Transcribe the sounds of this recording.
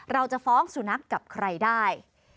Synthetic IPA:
ɾa˧wt͡ɕa˨˩fɔː˦˥ŋsu˨˩na˦˥kːa˨˩p̚kʰɾa˧jdaː˥˩j

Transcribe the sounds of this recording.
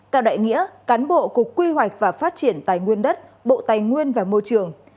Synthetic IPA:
t̪ɛ̰˧˨wɗa̰ː˧˨jŋḭ˧˥əkaː˨˦nɓo̰˧˨kʊ˨˩əkːwi˧ɦwa˨˩jk̟̚vaː˨˩faː˦˥t̚t͡ɕi˧˩ənt̪aː˨˩jŋwi˧ənɗə˦˥t̚ɓo̰˧˨t̪aː˨˩jŋwi˧ənvaː˨˩mo˧jt͡ɕɨ˨˩əŋ

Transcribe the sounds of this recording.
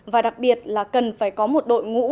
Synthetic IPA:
vaː˨˩ɗa˨˩k̚ɓi˨˩ət̚laː˨˩kə˨˩nfaː˧˩jkɔ˨˦mo˨˩t̚ɗo̰˧˨jŋṵ˧˥

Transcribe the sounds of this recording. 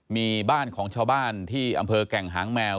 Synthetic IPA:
miː˧baː˥˩nkʰɔː˩˦ŋt͡ɕʰaː˧wbaː˥˩nt̪ʰiː˥˩ʔa̰˧mpʰɤː˧kɛ˨˩ŋɦaː˩˦ŋmɛː˧w

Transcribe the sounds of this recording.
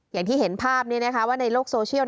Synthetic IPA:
jaː˨˩ŋt̪ʰiː˥˩ɦe˩˦npʰaː˥˩p̚niː˦˥˩na˦˥kʰa˦˥waː˥˩na˧jloː˥˩k̚soː˧t͡ɕʰi˥˩˨w

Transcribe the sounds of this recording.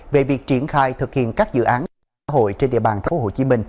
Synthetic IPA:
ve˨˩vi˨˩ək̚t͡ɕi˧˩ənxaː˧˩jt̪ʰɨ˨˩k̚hḭ˧˨ənkaː˦˥k̚zɨ̰˧˨ʔaː˨˦n | aː˧˥ɦo̰˧˨jt͡ɕe˧nɗḭ˧˨əɓaː˨˩nt̪ʰfo˨˦ho̰˧˩t͡ɕi˨˦mï˧˩ŋ̟

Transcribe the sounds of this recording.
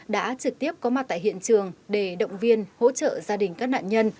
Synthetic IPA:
ɗa̰ː˧˥t͡ɕɨ˨˩k̚t̪i˦˥əp̚kɔ˨˦ma˨˩t̚t̪a̰ː˧˨ɦḭ˧˨ənt͡ɕɨ˨˩əŋɗe˧˩ɗə̰˧˨wŋ͡mvi˧ənho̰˧˥t͡ɕə̰ː˧˨zaː˧ɗï˨˩ŋ̟kaː˦˥k̚na̰ː˧˨nɲə˧n

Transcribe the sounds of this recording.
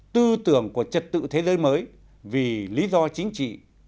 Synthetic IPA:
t̪ɨ˧t̪ɨ˧˩əŋku˧˩ət͡ɕə˨˩t̚t̪ɨ̰˧˨t̪ʰe˨˦zəː˨˦jməː˨˦j | vi˨˩li˨˦zɔ˧t͡ɕï˨˦ŋ̟t͡ɕḭ˧˨

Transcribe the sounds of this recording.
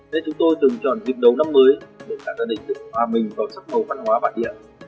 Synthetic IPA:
ne˧nt͡ɕʊ˨˦ŋ͡mt̪o˧jt̪ɨ˨˩ŋt͡ɕɔ̰˧˨nvi˨˩ək̚ɗə˨˦wna˧mːəː˨˦jɗe˨˧˩kaː˧˩zaː˧ɗï˨˩ŋ̟zɨ̰˧˨hwaː˨˩mï˨˩ŋ̟vaː˨˩wsa˦˥k̚mə˨˩wfaː˦˥t̚hwaː˨˦ɓa̰ː˧˨nɗḭ˧˨ə

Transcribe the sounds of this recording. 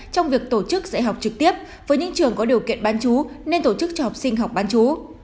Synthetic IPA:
t͡ɕɔ˧wŋ͡mvi˨˩ək̚t̪o˧˩t͡ɕɨ˦˥k̚zə̰˧˥jɦa˨˩wk͡p̚t͡ɕɨ˨˩k̚t̪i˦˥əp̚ | vəː˨˦jɲɨ̰˧˥ŋt͡ɕɨ˨˩əŋkɔ˨˦ɗi˨˩əwkḭ˧˨ənɓaː˨˦nt͡ɕu˨˦ne˧nt̪o˧˩t͡ɕɨ˦˥k̚t͡ɕɔ˧ha˨˩k͡p̚sï˧ŋ̟ɦa˨˩wk͡p̚ɓaː˨˦nt͡ɕu˨˦

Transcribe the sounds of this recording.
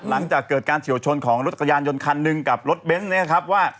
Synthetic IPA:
la˩˦ŋt͡ɕaː˨˩kːɤː˨˩t̪̚kaː˧nt͡ɕʰi˨˩˦wt͡ɕʰo˧nkʰɔː˩˦ŋɾo˦t̪̚a˩kʰa˧jaː˧njo˧nkʰa˧nːɯ˧ŋka˨˩p̚ɾo˦˥t̪̚be˦˥nni˦˥ɐ˨kʰa˦˥p̚waː˥˩

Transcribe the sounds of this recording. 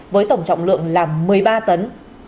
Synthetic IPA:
vəː˨˦jt̪ə˧˩wŋ͡mt͡ɕɔ̰˧˨wŋ͡mlɨ̰˧˨əŋlaː˨˩mɨ˨˩əjɓaː˧t̪ə˨˦n

